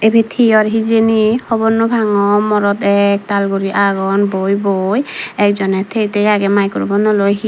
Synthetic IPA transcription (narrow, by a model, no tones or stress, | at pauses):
ebʱet̪ʰiɔɾɦizenihɔbɔnɔbʱaŋɔmɔɾɔt̪ɛk̚talɡuɾiʔaɡɔnbojbojɛkzɔnɛt̪ʰejtejaɡɛmajkɔɾ̰bɔnɔlojɦi